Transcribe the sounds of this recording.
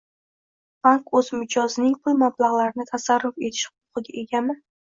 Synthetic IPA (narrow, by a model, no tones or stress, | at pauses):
b̥aŋkɵz̥mɪd͡ʒɒznɪŋpʰʊlˠmablˠaʁlˠaɾɪnɪt̪ʰasaɾːʊfe̞t̪ʰɪ̥ʃqʊp̚qɨɡʲaʔe̞ɡʲamɪ